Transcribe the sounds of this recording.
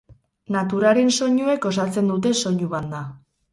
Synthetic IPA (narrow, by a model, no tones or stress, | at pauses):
nat̪uɾaɾe̞nso̞ɲue̞ko̞s̬at͡se̞nd̪ut̪̬e̞so̞ɲuβand̪a